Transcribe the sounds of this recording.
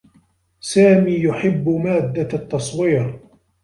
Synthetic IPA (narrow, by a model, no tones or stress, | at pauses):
saːmiːjʊħɪbːmaːd̪ːat̪ːɑsˤwiːɾ